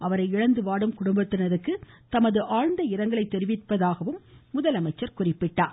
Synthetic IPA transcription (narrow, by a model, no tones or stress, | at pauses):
ʔɐʋɐɾɐɪɪɻɐnd̪ɯʋaːɽɯmkʊɽʊmbɐt̪ːɪnɐɾɯkːɯt̪ɐmɐðɯʔaːɻnd̪ɐɪɾɐŋɡɐɭɐɪt̪ːɛɾɪʋɪʈpːɐðaːɣɐʋɯmːʊðɐlɐmɐɪt͡ʃːɐɾkʊrɪpːɪʈːaː